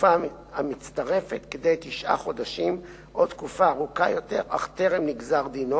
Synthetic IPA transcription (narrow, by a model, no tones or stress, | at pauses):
fa | amit͡st̪aʁe̞fet̪ked̪ejt̪iʃʔa̰χo̞daʃim | ʔot̪kufaːʁukajo̞t̪e̞ʁa̰χt̪e̞ʁemniɡzaʁd̪ino